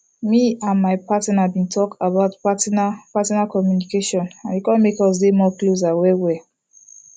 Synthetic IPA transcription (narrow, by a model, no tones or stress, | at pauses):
miãnmaɪpatnabĩntʰɔkabaʊtpatapatɔnakɔmjunikeʃɔ̃nãnjukɔ̃nmekɔs̬demɔklos̬awɛwɛ